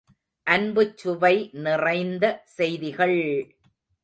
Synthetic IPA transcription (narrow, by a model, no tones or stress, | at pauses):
ʔɐnbɯt͡ʃːʊʋɐɪnɪrɐɪnd̪ɐsɛjðɪɣɐɭ